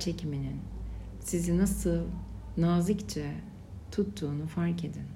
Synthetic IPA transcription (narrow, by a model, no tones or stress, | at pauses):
t͡ʃʰe̞cʰiminin | sizinasɯlˠ | naːzɯkt͡ʃʰɛ | t̪ʰut̪ːuːnufaɾke̞d̪in